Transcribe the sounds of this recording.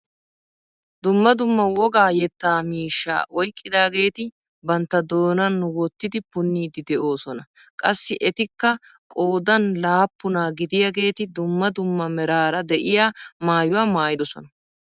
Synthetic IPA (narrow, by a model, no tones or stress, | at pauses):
d̪ʊmːɐd̪ʊmːɐwɔɡaːjɛt̪ːaːmiːʃːa̰ːʔɔjkʼːɪd̪aːɡe̞ːt̪ɪ | bɐnt̪ːɐd̪o̞ːnɐnːʊwɔt̪ːɪd̪ɪpʊnːiːd̪ɪd̪ɛʔo̞ːsɔnɐ | kʼɐsːɪʔɛt̪ɪkːɐ | kʼo̞ːd̪ɐnlaːpːʊnaːɡɪd̪ɪjɐɡe̞ːt̪ɪd̪ʊmːɐd̪ʊmːɐmɛɾaːɾɐd̪ɛʔɪjaːmaːjʊwaːmaːjɪd̪ɔsɔ̰nɐ